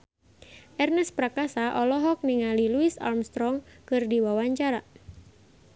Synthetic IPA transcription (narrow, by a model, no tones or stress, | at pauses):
ʔɛrnɛspɾakasaʔɔlɔɦɔk̚niŋaliluisa̰rmst̪ɾɔŋkɨrdiwawaɲt͡ʃaɾa